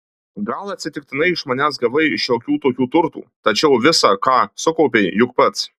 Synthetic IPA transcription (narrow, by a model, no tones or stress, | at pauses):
ɡɐlˠɐt̪ʲsʲɪt̪ʲɪkt̪ʲɪnɐɪɪʃmɐnʲæːsɡɐʋɐɪʃjoːkʲuːt̪oːkʲuːt̪ʊɾt̪ṵːt̪ɐt͡ʃʲɛʊʋʲɪsɑkɑːsʊkɒʊpʲeɪjʊkpɐt̪s